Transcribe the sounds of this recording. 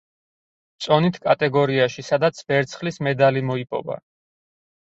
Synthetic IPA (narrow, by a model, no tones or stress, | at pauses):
t̪sʼɔnit̪ʰkʼat̪ʼɛɡɔɾiaʃisad̪at̪sʰbɛɾt̪sʰχlismɛd̪alimɔipʼɔ̰va̰